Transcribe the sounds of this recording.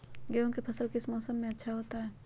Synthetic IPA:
ɡeõkepʰɐsəlkɪsmɔːsəmːẽɐtːʃʰaɦoːt̪aɦɛː

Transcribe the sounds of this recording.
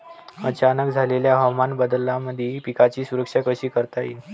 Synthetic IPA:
ət͡ɕanək̚d͡zʱaleljaɦəwmanbəd̪əlːaməd̪ʱjepikat͡ɕiːsuɾəkʂakəɕiːkəɾt̪ajin

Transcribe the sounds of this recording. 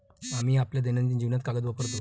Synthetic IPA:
amiːapljad̪enãnt͡ɕ̪iːd͡ʑiʋnat̪kaɡəd̪ʋapəɾt̪o

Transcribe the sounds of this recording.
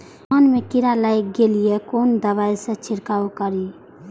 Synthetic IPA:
ənmekiɾalajk̚ɡelijekond̪əβajsə̃t͡ʃʰiɾkaokəɾi

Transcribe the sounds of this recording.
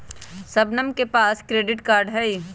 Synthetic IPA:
sɐbnəmkepaːskɾeːɖɪʈkaːɾɖɦɛi

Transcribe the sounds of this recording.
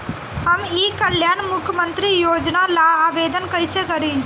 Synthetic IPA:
hɐmiːkəljaːnmʊkʰjəmə̃nt̪ɾijoːd͡ʒnalaaːbeːd̪ənkɐɪsekɐɾĩː

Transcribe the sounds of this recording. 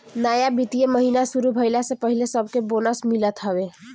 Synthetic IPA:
naːjabit̪ijeməɦiːnasuɾubʱəɪlasepəɦilesəb̚ʱkeboːnəsmɪlət̪ɦəʋe

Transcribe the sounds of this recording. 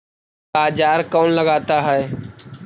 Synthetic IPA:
baːd͡ʒaːɾkoːnləɡaːt̪aːɦəeː

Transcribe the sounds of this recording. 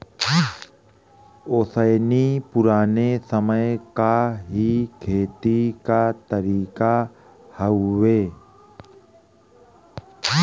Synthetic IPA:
oːsəjnipʊɾaːnesəməjkaɦikʰeːt̪ikat̪əɾiːka | həweː

